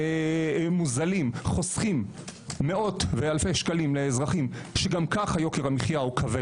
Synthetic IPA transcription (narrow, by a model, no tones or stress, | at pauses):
muzalimχo̞sχimː | e̞o̞t̪vealfejʃkalimleːzʁaχimʃeɡamkaχhajo̞keʁhamiχjaukʰave